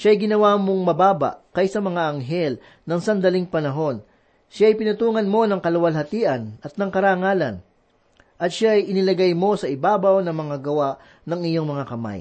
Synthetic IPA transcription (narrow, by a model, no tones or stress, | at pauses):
ʃaɐjɡɪnɐwaːmo̞ŋmɐbaːbɐ̰ʔkɐjsɐmɐŋaʔɐŋɦɛl | nɐŋsɐnd̪ɐliŋpɐnɐɦo̞n | ʃaɐjpɪnɐt̪uːŋɐnmo̞nɐŋkɐlɐwɐlɦɐt̪iːʔɐnɐt̪̚nɐŋkɐɾaːŋaːlɐ̰n | ʔɐt̪̚ʃaɐjʔɪnɪlɐɡajmo̞sɐʔɪbaːbɐwnɐŋmɐŋaɡɐwaʔ | nɐŋɪɲo̞ŋmɐŋakɐma̰j